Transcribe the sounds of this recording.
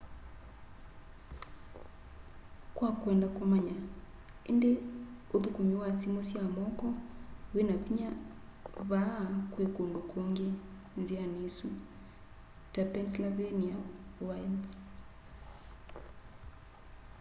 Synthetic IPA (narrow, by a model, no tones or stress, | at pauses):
kwakwɛndakomaɲa | endeoðukomewasimosjamɔkɔwenaβiɲa | βakwekondokoŋɡe | nzianesu | tapɛnslaβeniawajls